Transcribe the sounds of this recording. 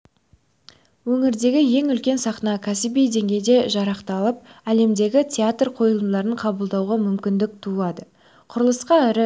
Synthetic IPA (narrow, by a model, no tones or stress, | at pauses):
wɵŋɪɾd̪e̞ɡʲɪje̞ŋʏlkʲe̞nsɑqnɑkʲʰæsɪbijd̪e̞ŋɡʲe̞jd̪e̞ʒɑɾɑqt̪ɑlˠəp̚æle̞md̪e̞ɡʲɪtʲʰeat̪rqʰo̞jəlˠəd̪ɑɾəɴqʰɑbəlˠd̪ɑwʁɑmʏmkʲɪnd̪ɪk̚t̪ʰulˠɑd̪ə | qʰʊɾəlˠəsqɑɪɾɪ